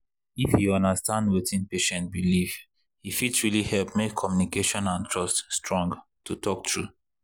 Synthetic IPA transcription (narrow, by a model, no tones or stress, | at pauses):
ifhiɔ̃ndastãndwetʰĩnpeʃɛ̃nt̚biliv | hifidsɹilihɛlpmekʰːɔmjunikeʃɔ̃nãntʰɹɔststɹɔ̃ŋɡtʰːutʰɔk̚tʰɹu